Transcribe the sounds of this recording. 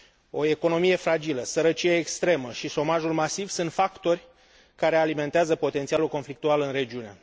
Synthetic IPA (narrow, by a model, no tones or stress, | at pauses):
o̞e̞ko̞no̞mije̞fɾad͡ʒiləsəɾət͡ʃijeːkst̪ɾe̞məʃiʃo̞maʒulmasivsunt̪fakt̪o̞rʲ | kaɾe̞alime̞nt̪eazəpo̞t̪e̞nt̪sialulko̞nflik̚t̪ualɨnre̞d͡ʒiune